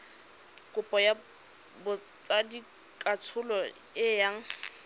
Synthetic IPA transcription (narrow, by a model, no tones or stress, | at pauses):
kʼʊpʼɔja | bʊ | t͡sadi | kʼat͡sʰʊlɔ | ɪjaŋ̩